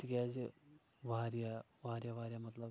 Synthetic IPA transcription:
t̪ikʲaːd͡ʑɨ | bʱaːɾjɐ | bʱaːɾjɐbʱaːɾjɐmɐt̪lɐ

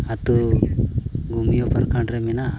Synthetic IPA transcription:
at̪u | ɡumijopɐɾkaɳɖɾemina

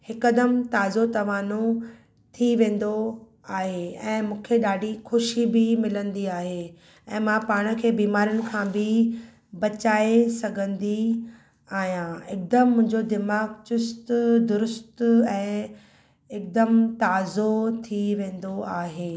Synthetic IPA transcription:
hɪkəd̪əmt̪aːzot̪ɐʋaːno | t̪ʰiʋẽːn̆d̪o | aːɦeɛ̃ːmũːkʰeɗaːɖixʊʃibɪmɪlə̃nd̪iaːɦe | ɛ̃ːmãpaːɽ̃ə̆kʰeːbiːmaːɾiʊnɪ̆kʰãbɪ | bɐt͡ɕaːesɐɡʱə̃nd̪i | aːɦijãɪk̚d̪əmːʊ̃ɦɪ̃ɲd͡ʑod̪ɪmaːɡt͡ɕʊst̪d̪ʊɾʊst̪ɛ̃ː | ɪk̚d̪əmt̪aːzot̪ʰiʋẽːn̆d̪oaːɦeː

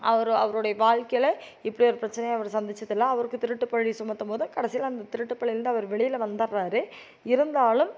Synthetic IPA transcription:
ʔɐʋɐɾɐʋɐɾoːɽɐjɐʋaːɻkɐjɪlɐ | ɪpːɐɽiɔɾɯpɪɾɐt͡ʃːɐnɐjɐʋɐɾsɐnd̪ɪt͡ʃːɐðɪlːaːɐʋɐɾɯkːɯt̪ːɪɾɯʈːɯpːɐɻisʊmːɐt̪ːɐmoːðɐkɐɽɐsɪjalɐnd̪ɐt̪ɪɾɯʈːɯpːɐɭɪjɪɾɯnd̪ɯɐʋɐɾʋɛɭɪjɪlʋɐnd̪ɐɾaːɾɯ | ɪɾɯnd̪aːlɯm

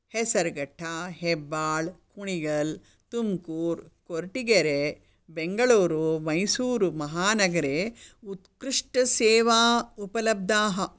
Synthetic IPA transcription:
hɛsɐɾɡɐʈʰːaːɦebːaːɭkuɳiɡɐl | t̪umkuːɾkoɾʈiɡɐɾe | beŋɡɐɭuːɾomɐjsuːɾumɐɦaːnɐɡɐɾeːut̪kɾiʂʈɐseːʋaːupɐlɐb̚d̪aːɦɐ

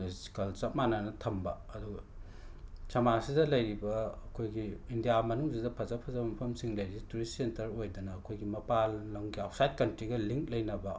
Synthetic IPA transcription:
si̥kɐlt͡ʃɐp̚manɐnɐtʰɐmbɐ | ɐduɡɐ | sɐmasidɐlɐjɾibɐɐkʰojɡiindijamɐnuŋsidɐpʰɐzɐpʰɐzɐbɐmɐpʰɐmsiŋlɐjɾibɐtuɾisentɐɾojdɐnɐːkʰojɡimɐpalːɐŋɡiawsajt̚kɐntɾiɡɐliŋk̚lɐjnɐbɐ

